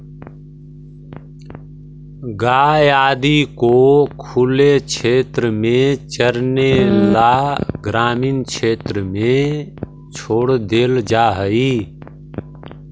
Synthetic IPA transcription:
ɡaːjaːd̪ikokʰʊlet͡ʃʰeːt̪ɾəmẽt͡ʃəɾnelaɡɾaːmiːnkʰeːt̪ɾəmẽ | t͡ʃʰoːɽd̪eːld͡ʒaːɦəi

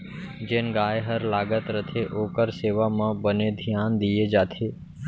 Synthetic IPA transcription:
d͡ʒeːnɡaːjɦəɾlaːɡət̪ɾət̪ʰeʔoːkəɾseːʋamãːbəned̪ʱjaːnd̪ijed͡ʒaːt̪ʰeː

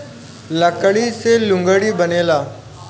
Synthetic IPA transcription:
ləkɽiselʊ̃ŋɡəɽibəneːlaː

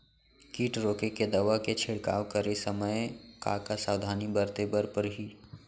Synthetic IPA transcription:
kiːʈɾoːkeked̪ɐʋaket͡ʃʰɪɽka̰ːʋkəɾesɐməjka̰kasaːwd̪ʱaːnibəɾt̪ebəɾpəɾɦi

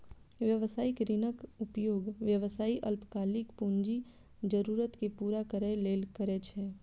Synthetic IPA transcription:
ʋjəʋəsaːɪkɾɪnəkʊpjoːɡʋjəʋsaːiʔəlpkaːlɪkpũːɲd͡ʒi | d͡ʒəɾuːɾət̪kepuːɾakəɾəeleːlkəɾɛt͡ʃʰɛː

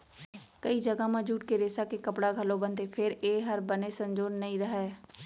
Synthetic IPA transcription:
kɐid͡ʒɐɡamãd͡ʒuːʈkeɾeːsakekɐpɽaɡʱɐlobə̃nt̪epʰɪɾeːɦɐɾbənesə̃nd͡ʒoːɾnɐĩɾəɦɛː

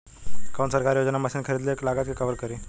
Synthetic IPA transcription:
kansəɾkaɾjod͡ʑnaməɕiːnkʰəɾid̪leklaɡat̪̚kikəʋəɾkəɾi

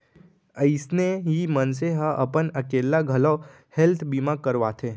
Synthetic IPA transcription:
əɪsneɦimənseɦə̃ʔəpənəkeːlaɡʱəlɔ | helt̪ʰbimakəɾʋat̪ʰẽː

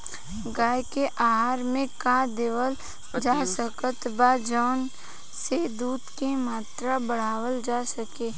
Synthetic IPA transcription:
ɡaːjkeʔaːɦaːɾmẽkad̪eːʋəl | d͡ʒaːsəkət̪baːd͡ʒɔːn | sed̪uːd̪kemaːt̪ɾabəɽ̤aːwəld͡ʒaːsəkeː

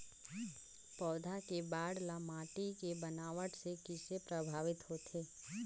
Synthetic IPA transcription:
pɔːd̪ʱakebaːɽlamaːʈikebənaːʋəʈsekɪsepɾəbʱaːʋɪt̪ɦoːt̪ʰeː

